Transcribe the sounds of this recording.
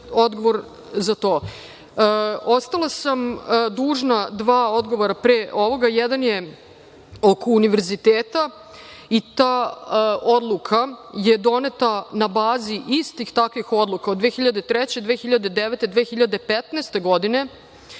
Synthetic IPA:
od̪ɡo̞ʋo̞ɾ | zat̪o̞ː | o̞st̪alasamd̪uːʒnad̪ʋaːo̞d̪ɡo̞ʋoɾapɾeːʔoʋo̞ɡajɛd̪anje̞ | oko̞uniʋeɾzit̪eːt̪a | it̪aː | od̪lˠukʰaje̞d̪o̞net̪anabaːziʔist̪ixt̪akʋixo̞d̪lˠukaod̪ʋeːxiʎad̪e̞t̪ɾɛt͡ɕed̪ʋeːxiʎad̪ed̪eʋet̪ed̪ʋeːxiʎad̪e̞pet̪neːst̪e̞ɡo̞d̪ine̞

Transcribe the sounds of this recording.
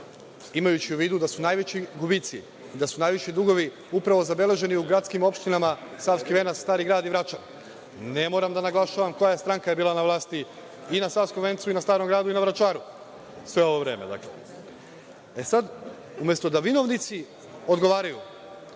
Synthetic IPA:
imajut͡ɕiuʋiːd̪ud̪asunajʋet͡ɕiɡubit̪siː | d̪asunaːjʋiʃid̪uɡo̞ʋi | upɾaʋo̞zabe̞le̞ʒe̞niuɡɾat̪skimo̞pʃt̪inamasaːfskiʋe̞nast̪aːɾiɡɾaːd̪iʋɾat͡ʃa | ne̞mo̞ːɾamd̪anaɡlˠaʃaʋamko̞jaest̪ɾaŋkajebiːlanaʋlˠaːst̪i | inasaːskoʋe̞nt̪suinast̪aːɾo̞mɡɾaːd̪uinaʋɾat͡ʃaːɾu | sʋe̞o̞ʋo̞ʋɾe̞ːmed̪a̰klḛ | e̞sad̪ | umje̞st̪o̞d̪aʋino̞ʋnit̪si | o̞d̪ɡo̞ʋaːɾaju

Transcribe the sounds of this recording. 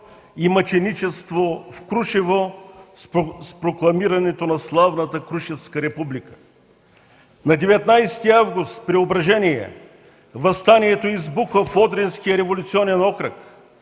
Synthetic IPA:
imɐt͡ʃɛnit͡ʃɛst̪vofkɾuʃivo | spɾoklˠɐmiɾɐnɛt̪onɐslˠavnət̪əkɾuʃɛfskəɾɛpublikə̥ | nɐd̪ɛvɛt̪najst̪iavɡust̪pɾɛobɾɐʒɛniɛ̰ | vɐst̪aniɛt̪oizbuxvəfɔd̪ɾɛnskijəɾɛvolʲut̪siɔnɛnɔkɾək

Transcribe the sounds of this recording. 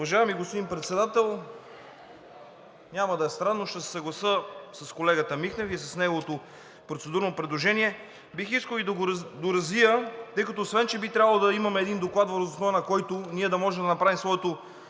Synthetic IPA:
ʊvɐʒaɛmiɡospod̪imnpɾɛt̪sɛd̪at̪ɛlˠ | nʲamɐd̪ɐɛst̪ɾanːoʃt̪ɛsɛ̥sɐɡlˠɐsəsɐskolɛɡət̪əmixnɛfɛsɐsnɛɡovot̪o | pɾot̪sɛd̪uɾnopɾɛd̪lˠoʒɛniɛ | bixiskəlˠid̪ɡd̪oɾɐzvijət̪ɤjkɐt̪oːsvɛnt͡ʃɛbit̪ɾʲabɐlˠod̪ɐimɐmɛːd̪ind̪oklˠat̪vɐɾəzosnovɐnɐkɔjt̪ʊniɛd̪ɐmɔʒɛmd̪ɐnɐpɾavimsvɔɛt̪o

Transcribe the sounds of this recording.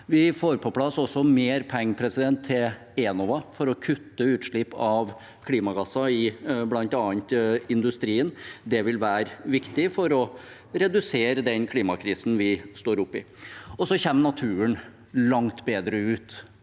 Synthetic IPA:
ʋɪfoːɾpʰɔpʰlɑsːɔsɔmeːɾpʰɛŋːəpʰɾɛsɪd̪ɛnt̪ʰːɪl | eːnɔʋɑfɔɾɔkʰʉt̪ːəʉːt̪ʂɭɪpɑʋ | kʰliːmɑɡɑsːɑɪblɑnt̪ɑːnt̪ɪnd̪ʉst̪ɾiːənd̪ɛʋɪlʋæːɾʋɪkt̪ɪfɔɾɔ | ɾɛd̪ʉseːɾəd̪ɛnkʰliːmɑkʰɾiːsn̩ʋɪst̪oːɾʊpːɪ̰ | ɔsɔçɛmːnɑt̪ʰʉːən | lɑŋt̪beːd̪ɾəʉːt̪

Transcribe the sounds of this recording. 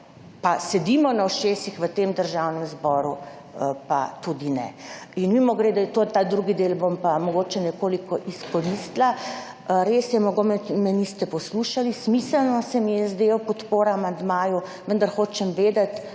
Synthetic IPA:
pasɛd̪imɔnawʃeːsixʋət̪eːmd̪əɾʒawnɛmzbɔɾu | pa̰t̪ud̪inɛ̰inmimɔɡɾed̪at̪ot̪aːd̪ɾuɡid̪eːlbompamɔɡot͡ʃɛnɛkoːlikɔʔiskɔnist̪la | ɾesjɛmɔɡomɛmɛnist̪ɛpɔsluʃalismisəlnɔsɛmijɛzd̪ewpɔt̪poːɾaamand̪maːjuʋənd̪aɾxoːt͡ʃɛmʋeːd̪at̪

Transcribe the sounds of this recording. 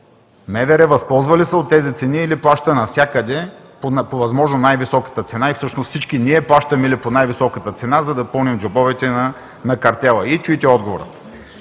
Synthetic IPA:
mɛvɛɾɛvɐspɔlˠzvɐlisəot̪ːɛzit̪sɛniːliplˠaʃt̪ənɐfsʲjakəd̪ɛ | ponpovɐzmɔʒnonajvisɔkə̥t̪ət̪sɛnaifsɤʃnost̪sit͡ʃkiniɛplˠaʃt̪əmɛliponajvisɔkət̪ət̪sɛnazɐd̪ɐpɤlˠnimd͡ʒobɔvɛt̪ɛ | nɐkɐɾt̪ʲɛlˠəit͡ʃuit̪ɛɔd̪ɡovoɾə̰

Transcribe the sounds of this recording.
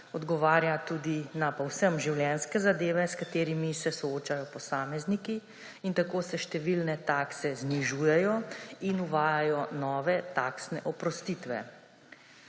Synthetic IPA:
ɔd̪ɡɔʋaːɾjat̪uːd̪inapɔwsəmʒiwljɛnskɛzad̪eːʋɛskat̪eːɾimisɛsɔoːt͡ʃajɔpɔsaːmɛzniki | int̪akoːsɛʃt̪ɛʋilnɛt̪aːksɛzniʒuːjɛjɔinuʋaːjajɔnɔːʋɛt̪aːksnɛ̰ʔɔpɾɔst̪iːt̪ʋɛ̰

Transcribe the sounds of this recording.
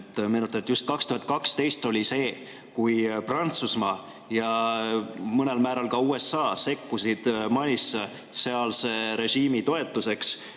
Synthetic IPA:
t̪ːˑme̞ːnut̪ːˑɑnet̪just̪̚kɑkst̪uhɑt̪̚kɑkst̪e̞jst̪o̞lʲise̞ː | kujprɑnt̪susmɑː | jɑ | mɯne̞lmæːɾɑlkɑuːe̞sːɑːse̞kːusid̪̥mɑjis | se̞ɑlse̞ɾe̞ɕiːmit̪o̞e̞t̪ːˑuse̞ks

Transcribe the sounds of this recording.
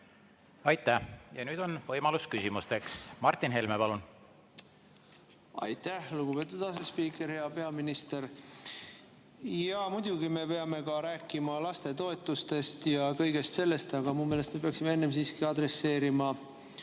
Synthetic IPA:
ɑjt̪ːæjɑnyːd̪̥o̞nvɤjmɑluskysʲimust̪e̞ksmɑrt̪ˑːinɦelmepɑlun | ɑ̰jt̪æhluɡ̥upe̞t̪ːˑud̪ɑsespiːkˑe̞ɾhe̞ɑpe̞ɑminist̪eɾ | jɑmud̪̥ʲuɡime̞pe̞ɑme̞kɑɾæːkːˑimɑlɑst̪e̞t̪o̞e̞t̪ːˑust̪e̞st̪jɑkɤjɡ̥e̞st̪se̞lːe̞st̪ɑɡ̥ɑmumelest̪mepe̞ɑksime̞e̞nːe̞msiːskiɑd̪ɾe̞sːe̞ːɾimɑ

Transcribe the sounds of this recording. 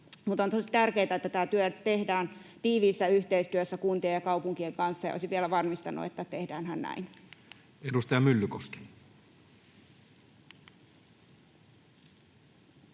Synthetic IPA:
mut̪ont̪osit̪ærkeːt̪æet̪ːæt̪æːt̪yøt̪ehdæːnt̪iːʋiːsːæyht̪eist̪yøsːækunt̪iejɑkɑupuŋkieŋkɑnsːɑjɑ̰ʔo̰isiʋielæʋɑrmist̪ɑnṵḛt̪ːæt̪ehdæːnhænnæ̰in | edust̪ɑjɑmylːykoske̥

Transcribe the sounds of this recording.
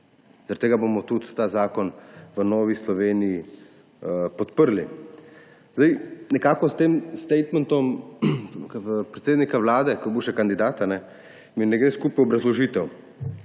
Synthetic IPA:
zaɾt̪ːeːɡabomɔt̪ut̪t̪aːzaːkɔnʋənɔːʋislɔʋeːniji | pɔt̪pəɾli | zd̪ajnɛkaːkɔst̪eːmst̪ɛjt̪mɛnt̪ɔm | pɾɛt̪seːd̪nikaʋlaːd̪ɛkɔbuʃɛkand̪id̪aːt̪anɛ | minɛɡɾeːskuːpiɔbɾɐzlɔʒiːt̪ɛw

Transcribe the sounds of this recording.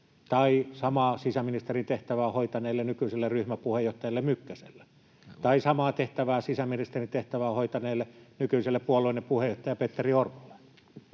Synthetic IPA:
t̪ɑisɑmɑsisæminist̪erint̪eht̪æʋæːhoit̪ɑneːlːenykyiselːerryhmæpuhejoht̪ɑjɑlːemykːæsḛlːe | t̪ɑisɑmɑːt̪eht̪æʋæːsisæminist̪erint̪eht̪æʋæːhoit̪ɑneːlːenykyiselːepuoloˑinːepuhejoht̪ɑjɑpet̪ːeriorʋulɑ

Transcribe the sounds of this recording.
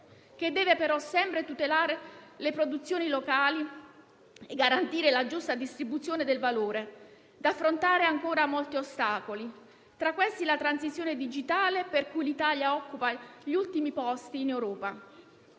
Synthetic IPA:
k̟ed̪ːɛːvepeɾɔsɛmpɾet̪ut̪elaːɾelepɾod̪ut̪sːjoːnilokaːli | eɡaɾant̪iːɾelad͡ʒust̪ad̪ist̪ɾibut̪sːjoːned̪elvaloːɾe | d̪afːɾont̪aːɾeaŋkoːɾamolt̪iost̪aːkoli | t̪ɾakːwest̪ilat̪ɾansit̪sːjoːned̪id͡ʒit̪aːleperkujlit̪aːljaɔkːupaʎiult̪imipɔst̪iːnewɾɔːpa

